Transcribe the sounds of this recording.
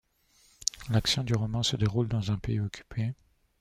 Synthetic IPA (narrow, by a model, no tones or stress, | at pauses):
laksjɔ̃d̪yʁɔmɑ̃səd̪eʁuld̪ɑ̃zɛ̃peiɔkʲʰy̥pʰe